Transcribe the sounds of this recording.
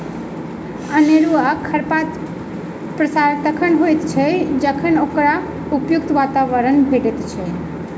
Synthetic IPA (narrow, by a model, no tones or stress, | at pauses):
əneɾuakʰəɾpat̪ | pɾəsaɾt̪əkʰəɳɦojt̪t͡ʃʰed͡ʒəkʰənokɾa | upjuk̚t̪ʋat̪aʋəɾənbʱeʈet̪t͡ʃʰe